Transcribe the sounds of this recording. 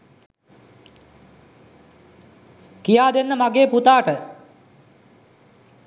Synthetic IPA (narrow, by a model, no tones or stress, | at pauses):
kijaːd̪enːəmaɡeːput̪aːʈə